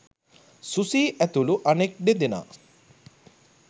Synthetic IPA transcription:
susiːʔæt̪uluʔanek̚ɖed̪ena̰ː

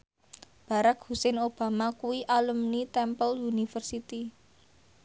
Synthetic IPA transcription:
b̥a̤ɾakhusɛnob̥a̤makuwiʔaləmnit̪ɛmpəlunifərsit̪i

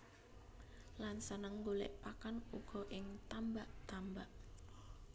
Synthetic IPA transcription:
lansənəŋɡolɛ̰ʔpakanuɡ̥ɔ̤ʔɪŋt̪ambaʔt̪ambaʔ

